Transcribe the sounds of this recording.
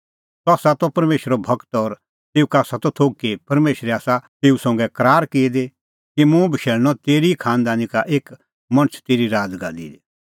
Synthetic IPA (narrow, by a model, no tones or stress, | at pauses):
tɔaːsat̪ɔpɐɾmeːʃɾɔbʱɐkt̪ɔɾ | t̪eːukaːsat̪ɔt̪ʰoːɡkːepɐɾmeːʃɾɛaːsat̪eːusɔ̃ŋɡɛkɐɾaːɾkeːd̪e | kimũbʱɐʃeːlñɔ̃t̪eːɾikʰaːnd̪aːnikaʔeːk | mɐ̃ñət͡ʃʰt̪eːɾiɾaːdɡa̰d̪ḭːd̪e